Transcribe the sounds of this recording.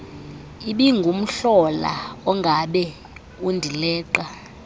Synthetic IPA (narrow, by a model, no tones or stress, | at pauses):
iɓiŋɡʱum̩ɬɔla̰ɔŋɡʱaɓɛ | undʱilɛːǃa